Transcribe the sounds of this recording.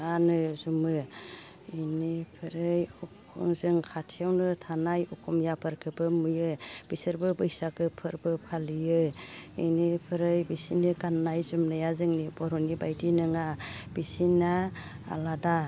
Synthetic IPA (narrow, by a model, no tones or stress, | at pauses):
anɯzumɯ | inipʰɯɾɯjɔkʰɔ̰ŋzɯŋkʰatʰijawnɯtʰanajɔkʰɔmjapʰɯɾkʰɯbɯmɯjɯb̥isɯɾbɯbɯjsakɯpʰɯɾbɯpʰalijɯinipʰɯɾɯjbisinɯɡanːajzumnɯjazɯŋnibɔɾɔnibajdinɯŋab̥isina̰ːlada